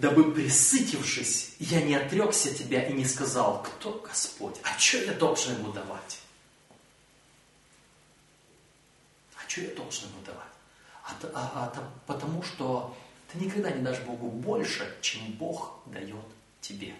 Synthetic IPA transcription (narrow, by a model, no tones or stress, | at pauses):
d̪ɐbɨpɾʲɪsɨtʲɪfʂɨsʲjanʲɪɐt̪ɾʲo̞ksʲətʲɪbʲaʔinʲɪskɐzɑlˠkt̪ʰoɡ̥ɐspo̞̰tʲɐt͡ɕojad̪olˠʐɨnbɨd̪ɐva̰tʲ | ɐt͡ɕojad̪olˠʐɨnbɨlˠd̪ɐ̰va̰tʲ | ɐt̪t̪ɐpət̪ɐmuʂt̪o̞t̪ɨnʲɪkɐɡd̪anʲɪd̪aʂbo̞ɡʊbo̞lʲʂɨt͡ɕembo̞xd̪ɐjo̞t̪ | tʲːɪbʲe̞̰